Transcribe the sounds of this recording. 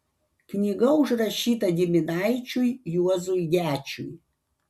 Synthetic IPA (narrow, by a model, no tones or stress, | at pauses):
knʲiɡɐʊʒɾɐʃʲiːt̪ɐɡʲɪmʲɪnɑɪt͡ʃʲʊjjuɔzʊjɡʲæːt͡ʃʲʊ̰j